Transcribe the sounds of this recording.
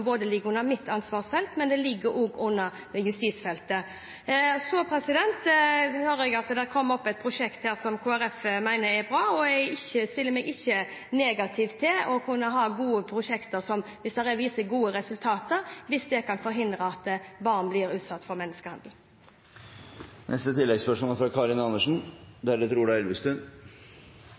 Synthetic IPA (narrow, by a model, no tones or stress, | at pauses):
boːd̪əlɪɡəɾʉnːəmɪt̪ʰːɑnsʋɑːʁsfɛlt̪mɛnd̪ɛlɪɡːəɾʔoːɡʊnːəɾ | jʉst̪iːt̪sfɛlt̪ə | sɔpʰɾɛsɪd̪ɛnt̪høːɾəɛɡɑt̪d̪æɾkʰɔmːɔpːɛt̪̚pʰɾʊʂɛkt̪hæːɾsɔmkʰoːæɾɛfmæɪnəɾɛbɾɑːɔɛɪçəst̪ɪlːəmɛɡɪçːə | neːɡɑt̪ʰɪʋt̪ʰːɪlɔkʰʉnːəɦɑɾɡuːəpʰɾʊʂɛkt̪əɾsɔmʋɪsd̪ɛɾɛʋiːsəɡuːəɾɛsʉlt̪ʰɑːt̪əɾʋɪsd̪ɛkʰɑnfɔɾɦɪnd̪ɾəɑt̪ːbɑɾnblɪɾʉːt̪sɑt̪ːfɔɾmɛnːəskəhɑnd̪l̩ | nʔɛ̰st̪ət̪ʰɪlːɛɡspœʂmoːlfɾɑkʰɑːɾɪnɑnːəʂn̩d̪æd̪ɛt̪ʰɾuːɖæɛlʋəst̪ʉn